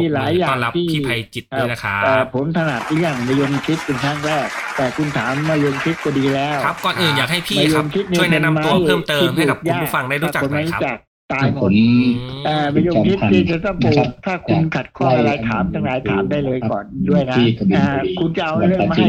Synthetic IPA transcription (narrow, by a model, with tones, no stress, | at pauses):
iː˧˩laː˨˩˦jːaː˧ŋ˦t̪ʰiː˥˧˩a˧jt͡ɕi˨˩t̪̚a˧˩˧ʔaː˨˩pʰo˩˦nt̪ʰa˧naː˨˩t̪̚lɯ˥˩əŋma˧jo˧ŋt̪ʰi˦˥t̪̚ke˧nkʰaː˥˩ŋɾɛː˥˩k̚t̪ɛː˨˩kʰu˧nt̪ʰaː˩˦mːaː˧˥˩jo˧ŋtʰi˦˥t̪̚kɔ˧˩diː˧lɛː˦˥wkɔː˨˩nʔɯː˨˩njaː˨˩k̚ha˥˩jpʰiːmaː˧˩o˧mkʰi˦˥t̪̚niu˧˥˧əjna˧na˧ma˦u˧˨ɤː˥˩mt̪ɤːi˧mha˥jka˨˩k̚jaː˧˥˦fa˧ŋda˥˩jɾu˦˨˩t͡ɕa˨˩o˧˦ma˧˥˦t͡ɕaː˨˩k̚t̪aː˧ŋʰo˩˦nʔaː˧ma˧jo˧t̪ʰi˦t̪ʰiː˥˩t͡ɕa˨˧˩t̪ɔ˥˩ŋuː˧˦˧t̪ʰaː˥˩kʰu˧nkʰa˨˩t̪̚kʰɔː˧˥˩ɾaː˨˦jt̪ʰaː˩˦mt̪aː˧˩ŋɾaː˨˦jt̪ʰaː˨˦mdaː˥˩jlɤː˧jkɔ̰ː˨˩ndu˥˩əjk̪ʰa˦˥˩kːkʰu˧nt͡ɕa˧ʔa˧wm˧˩